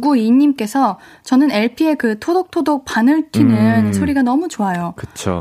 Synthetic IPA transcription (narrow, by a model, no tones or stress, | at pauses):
ɡuiɲːimk͈e̞sʰʌ | t͡ɕʌnɯne̞ɭpʰie̞kɯtʰodok̚tʰodok̚panɯɭtʰinɯnsʰoɾiɡanʌmut͡ɕoajokɯt͡ɕʰo̰